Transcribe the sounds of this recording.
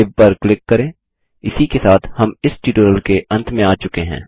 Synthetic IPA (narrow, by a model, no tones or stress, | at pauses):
b̚pɐɾklɪkːɐɾẽː | ɪsikesaːt̪ʰhɐmɪsʈiːʈəɾəlkeʔɐ̃nt̪ʰmẽaːt͡ʃʊkeɦɛ̰̃ː